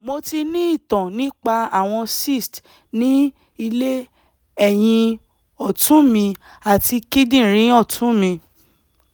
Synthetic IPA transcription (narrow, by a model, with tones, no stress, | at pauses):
mo˧ti˧nĩ˦i˦˨tɔ̃˨nĩ˨˦k͡pa˧a˨w̃ɔ̃˧si˦˨st | nĩ˦ | i˧le˦ | ɛ˦˨j̃ĩ˧ | ɔ˨tũ˨˦mĩ˧ | a˨ti˧ki˦dĩ˦˨ɾ̃ĩ˨˦ɔ˦˨tʰũ˨˦mĩ˧